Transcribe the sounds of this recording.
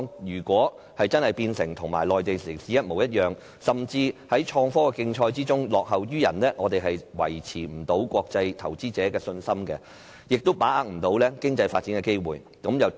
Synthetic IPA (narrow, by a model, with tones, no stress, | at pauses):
jyː˨˩kʷɔː˨˥ | hɐ˨jt͡sɐ˥nhɐ˨jpiː˧nsɪ˨˩ŋt̪ʰʊ˨˩ŋma̰ː˨˩jlɔː˨jt̪e˨jsi˨˩siː˨jɐ˥t̚mo˨˩wjɐ˥t̚jœː˨ŋ | sɐ˨mt͡siː˧hɐ˨˥jt͡ʃʰɔː˧ŋfɔː˥kɛ˧kɪ˧ŋt͡ʃʰɔː˧jt͡siː˥t͡sʊ˥ŋlɔː˨k̚ɦɐ˨wjyː˥jɐ̰˨˩nlɛː˥ŋɔː˨˧t̪e˨jɦɐ˨jwɐ̰˨˩jt͡sʰiː˨˩m̩˨˩t̪o˨˥wkʷɔː˧k̚t͡sɐ˧jt̪ʰɐ˨˩wt͡siː˥t͡sɛː˨˥kɛː˧sɵ˧nsɐ˥mkɛ̰˧ | jɪ˨k̚t̪o˥wpaː˨˥aː˨˧k̚m̩˨˩t̪o˨˥wlɛː˥kɪ˥ŋt͡sɐ˧jfaː˧t̚t͡siː˨˥nkɛ˧ke˥jwuː˨˩j | kɐ˨˥mjɐ˨w